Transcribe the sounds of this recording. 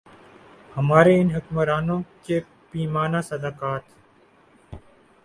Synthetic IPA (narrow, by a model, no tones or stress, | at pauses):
həmaːɾeɪnɦʊkməɾaːnõːke | piːmaːnaːsəd̪aːkaːt̪